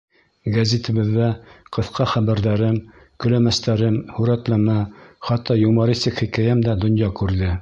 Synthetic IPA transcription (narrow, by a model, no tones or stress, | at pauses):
ɡɐzʲet̪ɘ̆βɘ̆ðːæqɤ̆θqɑχæβæɾðæɾɘm | kɵ̆læmæst̪æɾɘmhʉɾæt̪læmæχɑt̪ːɑjumɑɾist̪ɘkχikæjæmd̪æd̪ŏnjɑkʉɾðɘ